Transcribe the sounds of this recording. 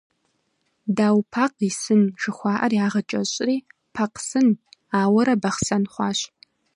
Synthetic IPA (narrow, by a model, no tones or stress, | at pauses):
daːwpʰaːqisɨnʒɨχʷɑːʔɐrjaːʁɐt͡ʃʼɐɕʼriː | pʰaqsɨnaːwɐɾɐbɐχsɐnχʷɑːɕ